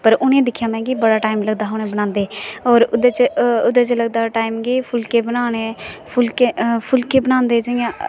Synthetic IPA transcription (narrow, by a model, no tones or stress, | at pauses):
pəɾʊnẽːd̪ɪkʰːjaːmɛ̃ːkibəɽaːʈaːɪmləɡ̚d̪aːɦoñẽːbəñãːnd̪eːɔːɾʊd̪et͡ʃʊd̪ət͡ʃeləɡ̚d̪aʈaːɪmɡipʰʊlkebənaːɽ̃epʰʊlkepʰʊlkebənãːnd̪eːd͡ʒəjã